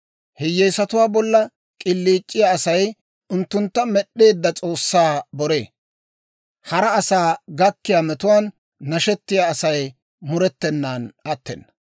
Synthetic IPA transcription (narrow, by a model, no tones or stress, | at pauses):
hɛjːejsɐt̪ʊwaːbɔlːɐ | kʼɪlːiːt͡ʃʼːɪjaɐsɐj | ʊnt̪ːʊnt̪ːɐmɛɗːe̞ːd̪ːɐt͡sʼo̞ːsːaːbɔɾe̞̰ː | hɐɾɐːsaːɡɐkːɪjaːmɛt̪ʊwaːnː | ɐʃɛt̪ːɪjaːsɐj | mʊɾɛt̪ːɛnːaːnɐt̪ːɛ̰nːɐ̥